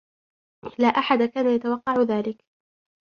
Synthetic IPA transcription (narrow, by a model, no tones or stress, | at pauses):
laːʔaħad̪akaːnajat̪awɑqːɑʕʊðaːlɪk